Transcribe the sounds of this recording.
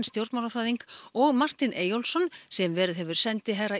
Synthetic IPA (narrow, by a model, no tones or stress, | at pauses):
nst̪jowɾt̪manafɾaːðiŋkɔɣmar̥t̪ɪnʔeːjowlsɔnsɛmvɛːɾɪðɦɛvʏɾ̥sɛnt̪ɪɦɛra